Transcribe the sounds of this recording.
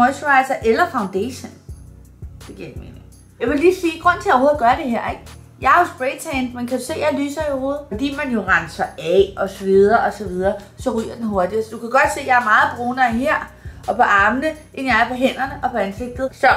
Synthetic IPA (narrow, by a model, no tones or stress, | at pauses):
ɔsʋɑ̈ɪsɐʔelɐfäʊnd̥eɕən | d̥e̝ɡ̥ḭɐ̰emḛneŋ | jɑ̈ɪʋe̝liːsiːɡ̥ʁɔ̽n̰t͡sʰe̝joho̝ːðˠɡ̥ɶɐd̥e̝ɦeɐ̰e̝ɡ̥̚jɑ̈ɪæɐhɔ̽sb̥ʁe̥t͡sʰɛnmenkʰæd̥use̝̰ːjɑ̈ɪly̰ːsɐioho̝ːð̩ˠɒd̥ḭːmænjo̝ʁɑnsɐæʔɒ̽sɒʋið̞ˠɐːʔɒ̽sɒ̽ʋið̞ˠɐː | sɒ̽ʁy̰ːɐd̥enɦo̝ɐd̥isɒd̥ukʰæɡ̥ɒ̽d̥se̝̰ːjɑ̈ɪæɐmɑ̈ːð̩ˠb̥ʁoːnɐɦeɐ̰ʔɒ̽pʰɒ̽ʔɑ̈ːmnəʔe̝njɑ̈ɪæɐpʰɒ̽ɦen̰ɐnəʔɒ̽pʰɒ̽ænse̝ɡ̥̚d̥ð̩ˠsɒ̽